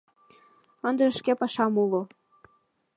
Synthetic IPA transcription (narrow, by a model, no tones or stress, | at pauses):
ɤ̆nd̪ə̆ə̆ʃkepɑʃɑmulˠo